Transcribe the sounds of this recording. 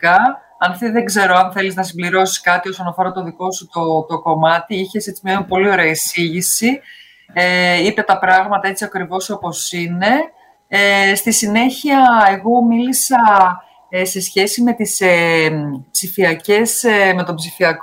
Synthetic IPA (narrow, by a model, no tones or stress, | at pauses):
kɐ | ɐnθiðe̞ɡze̞ɾo̞ɐnθe̞liznɐs̬imbliɾo̞si̥skɐt̪io̞sonɐfo̞ɾɐt̪o̞ðiko̞sut̪ot̪o̞ko̞mɐt̪iiçe̞se̞t͡simɲɐpo̞lio̞ɾe̞ɐisiʝisi | eipe̞t̪ɐpɾɐɣmɐt̪ɐe̞t͡siɐkɾivo̞so̞po̞sine̞ | st̪isine̞çiɐe̞ɣo̞milisɐ | se̞sçe̞sime̞t̪ise | psifiɐce̞sme̞t̪o̞bzifiɐk